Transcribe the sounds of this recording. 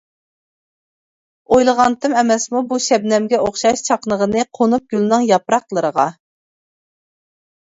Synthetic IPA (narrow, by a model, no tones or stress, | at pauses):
ojlˠəʁɑnt̪ʰɨmɛmɛsmubuʃɛbnɛmɡʲɛoχʃɑʃt͡ʃʰɑqnəʁənɨqʰonup̚ɡʲylnɨŋjɑpɾɑqlˠəɾəʁɑ